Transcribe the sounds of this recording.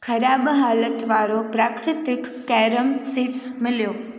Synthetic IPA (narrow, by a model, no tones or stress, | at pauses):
kʰəɾabɦalət̪ʋaɾopɾakɾɪt̪ɪkːɛɾəmsiʈsmɪljo